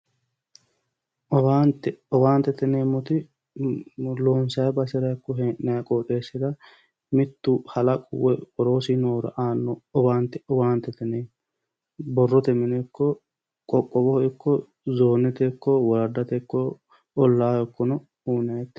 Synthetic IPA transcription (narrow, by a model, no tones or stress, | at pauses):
ʔɔbaːnt̪ɛɔwaːnt̪ɛt̪ɛneːmːɔt̪ɪ | loːnsɐjɛbɐsɪɾɐɛkːɔɦɛʔːɐjɐkʼɔᶑeːsɪd̪ɐ | mɪt̪ːuhɐlɐkʼʊwːɛɔɾo̞ːsɪnoːɾɐ̰ʔaːnːɔɔbaːnt̪ɛɔbaːnt̪ɛt̪ɛne | bɔrːɔt̪ɛmɪnɛkːɔ | kʼɔkʼːɔbɔɪkːɔ | zoːnɛt̪ɛkːɔwɔɾɐd̪ɐt̪ɛkːɔ | ɔlːaːjɔkːɔnɔ | uːnɐjɛt̪ː